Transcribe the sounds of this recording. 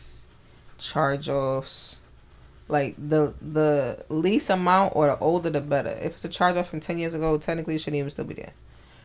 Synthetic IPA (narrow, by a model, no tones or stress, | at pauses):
t͡ʃʰɑɹd͡ʒɔfs | laɪk̚ðəðəlistəmãʊ̃ntʔə̰˞ðḭʔoʊlˠdə˞ðɨbɛɾə̰˞ʔɪ̰fɨtsɨt͡ʃʰɑɹd͡ʒʌfɹʌ̃mtʰɛ̃njɪɹzɨɡoʊtʰɛk̚nɨkliɨʃɨɾivɨ̃n̩stɪlˠbḭðɨ̰